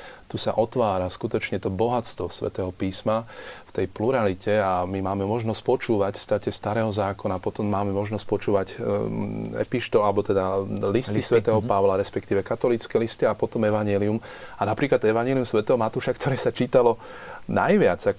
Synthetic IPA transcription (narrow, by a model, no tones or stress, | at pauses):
t̪usaʔɔt̪ʋaːɾaskut̪ɔt͡ʃɲɛt̪ɔbɔɦat͡st̪ʋɔsʋɛ̰t̪ɛːɦɔpiːsmaft̪ɛjpluɾalicɛamimaːmɛmɔʒnɔscpɔt͡ʃuːʋacfst̪acɛst̪aɾɛːɦɔzaːkɔnapɔt̪ɔmːaːmɛmɔʒnɔscpɔt͡ʃuːʋaɟ | ɛ̰piʃt̪ɔalɛbɔt̪ɛd̪alist̪isʋɛt̪ɛːɦɔpaʋlaɾɛspɛkt̪iːʋɛkat̪ɔlit͡skɛlist̪iapɔt̪ɔmɛʋaɲɪɛlium | anapɾiːklad̪ɛʋaɲɛliumsʋɛt̪ɛːɦɔmat̪uːʃakt̪ɔɾɛːsat͡ʃiːt̪alɔ | najʋɪad͡zak